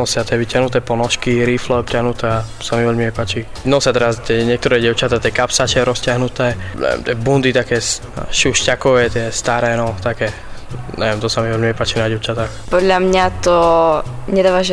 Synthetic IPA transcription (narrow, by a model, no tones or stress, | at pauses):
nɔsat̪ɪɛʋicjaɦnut̪ɛːpɔnɔʃkiɾiːflɛɔp̚tʲaɦnut̪ɛa | samiʋɔlmiɛpaːt͡ʃi | nɔsɪat̪ɛɾast̪ɛɲɪɛk̚t̪ɔɾɛɟɛʊt͡ʃat̪aːt̪ɛkapsat͡ʃɛɾɔscɪaɦnut̪ɛːɲɛ̰ʋɛ̰mt̪ɪɛbund̪it̪akɛːs | ʃuʃcakɔʋɛt̪ɪɛst̪aɾɛnɔt̪akɛː | ɲʔɛʋɛmt̪ɔsamiʋɛlmiɛpaːt͡ʃinaɟɛʊt͡ʃat̪aːxpɔd̪ʎamɲat̪ɔ | ɲɛd̪aːʋaʒ